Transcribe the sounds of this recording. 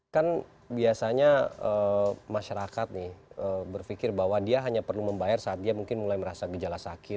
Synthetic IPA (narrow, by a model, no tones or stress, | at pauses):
kan | biasaɲaəmaʃaɾakat̪̚nɪhəːbərfikɪrbaɦwadiaɦaɲapərluməmbajarsaːt̪̚diamuŋkɪnmulajməɾasaɡəd͡ʒalasakɪt̪̚